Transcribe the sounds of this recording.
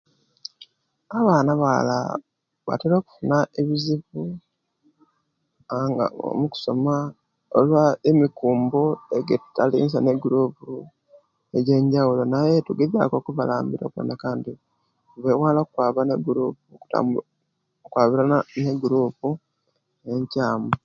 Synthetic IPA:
aβaːnaβala̰ | βa̰teɾo̞ːku̥funaʔe̞βiziβu | aŋɡa̰o̰muku̥so̞ma | olwaemikuːmbo̞eɡetutalḭːnsaneɡuɾuːpu | e̞ɟe̞ɲɟawulo̞najetuɡeða̰ko̞kuβalaːmbiɾo̰kwḛnakaːndi | uβewaːlokukwaːβaneɡuɾuːp̚uku̥ta̰m | kwaːβiɾaneɡuɾuːpu | e̞ɲcaːmu

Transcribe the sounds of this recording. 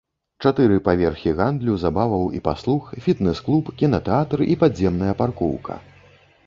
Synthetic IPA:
t͡ʂat̪ɨɾɨpavʲɛrxʲiɣand̪lʲuzabavɐwḭpa̰slˠuxfʲit̪nɛsklˠupkʲinɐt̪ɛat̪ripadzʲːɛmnɐjɐparkɔ̰wkɐ̰

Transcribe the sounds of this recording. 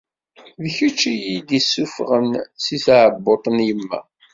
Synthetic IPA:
ðçut͡ʃːijid̪isːufʁənsiθʕəbːot̪ˤənjəmːæ̰

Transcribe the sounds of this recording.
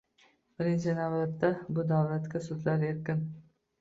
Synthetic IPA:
b̥ɪɾɪnt͡ʃʰɪnavlat̪ːabʊd̪awlat̪kʲasʊd̪laɾe̞ɾkʲɪn

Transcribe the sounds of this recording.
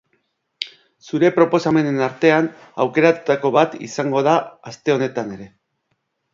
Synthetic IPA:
suɾe̞pɾo̞po̞same̞ne̞naɾt̪e̞an | awke̞ɾat̪u̥t̪ako̞βat̪ḭsaŋɡo̞ðaːst̪e̞o̞ne̞t̪ane̞ɾe̞

